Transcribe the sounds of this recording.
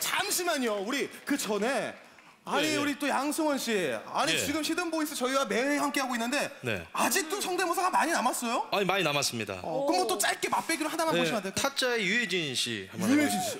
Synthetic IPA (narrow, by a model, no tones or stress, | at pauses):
t͡ɕamɕʰimaɲiouɾikɯt͡ɕʌne̞ | aɲiuɾit͈ojaŋsʰɯŋwʌnɕ͈ʰiea̰ɲit͡ɕiɡɯmɕʰidɯmbois͈ʰɯt͡ɕʌiwame̞ehamk͈e̞ɦaɡoinːɯnde̞ne̞̰ad͡ʑik̚t͈osʰʌŋdemosʰaɡamaɲinamas͈ʌjoaɲimaɲinamas͈ɯmɲida̰kɯmwʌt͈ot͡ɕ͈aɭk͈emap͈eɡiɾohadanaboɕimantʰetʰat͡ɕ͈aejued͡ʑinɕʰḭha̰mjued͡ʑinɕi